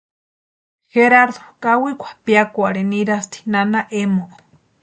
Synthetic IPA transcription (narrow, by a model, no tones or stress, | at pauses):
xeɾaɾd̪okʼawikʷʰḁpiakʷaɾeniɾast̪ʰi̥nanaʔemoʔ